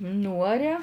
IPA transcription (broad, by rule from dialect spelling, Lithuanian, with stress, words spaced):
ˈnuːɐrʲɛ